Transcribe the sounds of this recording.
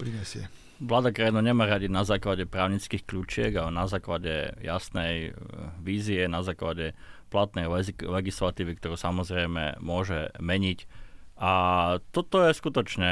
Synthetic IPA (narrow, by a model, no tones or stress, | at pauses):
pɾiɲɛsɪɛ | ʋlaːd̪akɾajinaɲɛmaːɾaɟinazaːklaɟɛpɾaːʊɲit͡skixkʎuːt͡ʃɪɛɡaɛnazaːklaɟɛ̰ja̰snɛjʋiːziɛnazaːklaɟɛplat̪nɛjlɛilɛɡislat̪iːʋikt̪ɔɾuːsamɔzɾɛjmɛ̰mʊɔʒɛmɛɲicʔat̪ɔt̪ɔjɛskut̪ɔt͡ʃɲɛ